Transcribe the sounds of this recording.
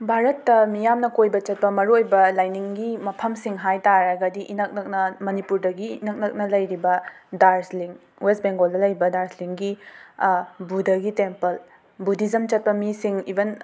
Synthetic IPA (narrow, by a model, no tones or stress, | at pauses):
bʱaɾɐtːɐmijamnɐkojbɐt͡ʃɐt̚pɐmɐɾuojbɐlajniŋɡimɐpʰɐmsiŋɦajtaɾaɡɐdiʔinɐk̚nɐk̚nɐmɐnipuɾdɐɡiːnɐk̚nɐk̚nɐlɐjɾibɐdaɾsliŋ | west̚beŋɡoldɐlɐjbɐdaɾsliŋɡi | budɐɡitempɐl | budizɐmt͡ʃɐt̚pɐmisiŋibɐn